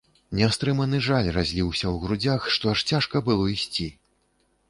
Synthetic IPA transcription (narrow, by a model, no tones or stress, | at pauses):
nʲɛst̪ɾɨmɐnɨʐalʲrazʲlʲiwsʲɐwɣɾud͡zʲaxʂt̪ɔaʂt͡sʲaʂkɐbɨlˠɔisʲt͡sʲi